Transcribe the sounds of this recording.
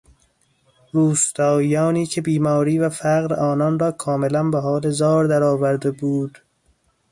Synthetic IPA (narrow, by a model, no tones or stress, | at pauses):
ruːst̪ɒːjɒːniːcʰe̞biːmɒːɾiːvæfæɣɾɒːnɒːnrɒːkʰɒːme̞lænbeɦɒːlezɒːɾd̪æɾɒːvæɾd̪ebuːd̪̥